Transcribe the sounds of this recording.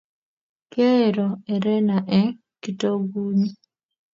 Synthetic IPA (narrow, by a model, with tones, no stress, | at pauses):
kɛ˦˨ɾɔ˨ɛ˨ɾɛ˦na˨ʔɛ˦ | ki˦to˦ɡu˦ɲi˦